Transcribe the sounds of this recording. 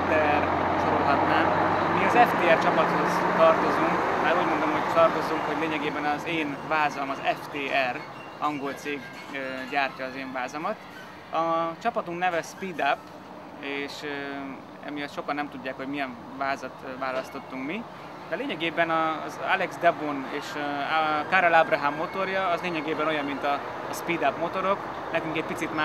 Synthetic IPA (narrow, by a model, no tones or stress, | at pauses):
t̪ɛr | ʃoɾolɦɒt̪naːmmiɒzɛft̪eːɛrt͡ʃɒpɒt̪ho̞zt̪ɒrt̪o̞zuŋkmaːɾuːɟmond̪omɦo̞ct̪ɒrt̪o̞zuŋkho̞ɟleːɲɛɡeːbɛnɒzeːnvaːzɒmɒzɛft̪eːɛr | ɒŋɡo̞lt̪seːɡ | ɟaːrcɒːzeːɱvaːzɒmɒt̪ | ɒt͡ʃɒpɒt̪uŋknɛvɛspiːd̪apː | eːʃ | ɛ̰mijɒt̪ʃo̞kɒnːɛmt̪uɟːaːkho̞ɟmijɛɱ | vaːzɒt̪vaːlɒst̪o̞t̪ːuŋkmi | d̪ɛleːɲɛɡeːbɛnɒza̰lɛɡzd̪ɛboneːʃ | kaɾolabrɒɦamːo̞t̪o̞rjɒɒzleːɲɛɡeːbɛno̞jɒmːint̪ɒ | spid̪apmo̞t̪o̞ɾo̞k | nɛkyŋkɛc̚pit̪sit̪ma